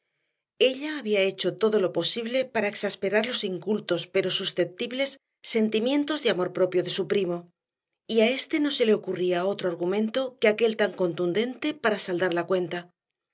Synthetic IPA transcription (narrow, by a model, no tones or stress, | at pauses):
e̞ʎaːβiae̞t͡ʃo̞t̪o̞ðo̞lo̞po̞siβle̞paɾae̞ksaspe̞ɾaɾlo̞siŋkult̪o̞spe̞ɾo̞susθe̞p̚t̪iβle̞sː | e̞nt̪imjẽ̞nt̪o̞zðeamo̞ɾpɾo̞pjo̞ðe̞supɾimo̞ | iae̞st̪e̞no̞se̞le̞o̞kuriao̞t̪ɾoaɾɣumẽnt̪o̞keake̞lt̪aŋko̞nt̪und̪e̞nt̪e̞paɾasald̪aɾlakwe̞nt̪a